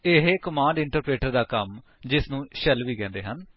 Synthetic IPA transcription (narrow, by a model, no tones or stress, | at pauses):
ɪɦekəmãːɳɖɪɳʈəɾpɾeːʈəɾd̪aːkəm | d͡ʒɪsnũːʃəlʋiːkɛ̃ːnd̪eːɦən